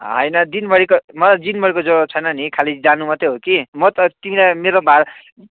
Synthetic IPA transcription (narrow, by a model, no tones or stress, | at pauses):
ɦʌ̰jnʌd̪inbʌɽikomʌlad͡zinbʌɾikod͡zoot͡sʰʌjnʌnikʰalid͡zanumʌt̪eɦokimʌt̪ʌt̪imilajmeɾobaɾ